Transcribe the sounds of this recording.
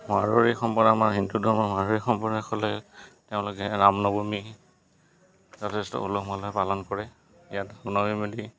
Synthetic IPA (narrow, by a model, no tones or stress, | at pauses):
maɹoɹixɔmpɔdamaɹɦindudʱɔɹmɔmaɹoɹixɔmpɔnɛkʰɔlɛteʊ̃lʊkɛnamnɔbomi | zɔtʰɛstɔ̰ulokmalɔpalɔnkɔɹɛ | ijatnamnɔmimodi